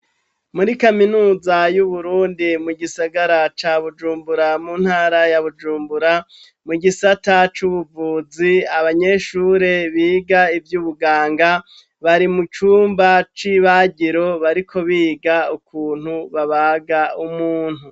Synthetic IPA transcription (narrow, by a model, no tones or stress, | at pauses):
muɾikaminuːzajuβuɾuːndimuɡisaɡaɾat͡ʃaβud͡ʒuːmbuɾamuːn̥haːɾajaβud͡ʒuːmbuɾa | muɡisatat͡ʃuβuvuːziaβaɲe̞ʃuːɾe̞βiːɡaivjuːβuɡaːŋɡa | βaɾimut͡ʃuːmbat͡ʃiːβaɟiɾo̞βaɾikʰo̞βiːɡaukʰuːn̥huβaβaːɡaumuːn̥hu